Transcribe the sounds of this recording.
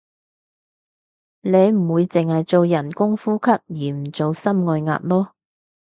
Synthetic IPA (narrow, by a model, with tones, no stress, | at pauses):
le˨˧jm̩˨˩wuː˨˧jt͡sɪ˨ŋhɐ˨jt͡so˨wjɐ˨˩nkʊ˥ŋfuː˥kʰɐ˥k̚jiː˨˩m̩˨˩t͡so˨wsɐ˥mŋɔː˧jŋa̰ː˧t̚lɔː˥